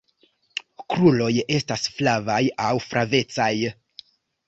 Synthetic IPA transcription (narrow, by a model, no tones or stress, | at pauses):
kɾulo̞je̞stasflavajawfɾʔave̞t͡saj